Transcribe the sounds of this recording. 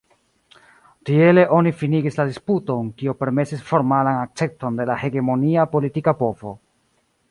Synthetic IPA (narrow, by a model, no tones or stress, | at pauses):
tie̞le̞ʔo̞nifiniɡisladisputo̞nkiope̞ɾme̞sisfo̞ɾmalanak̚t͡se̞kto̞nde̞lahe̞ɡe̞mo̞niapo̞litikapo̞vo̰